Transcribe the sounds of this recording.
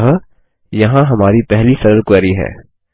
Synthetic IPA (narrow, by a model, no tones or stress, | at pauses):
ɦ | jɐɦãɦɐmaːɾipɛɦlisɐɾəlkɛːɾiɦɛ̰ː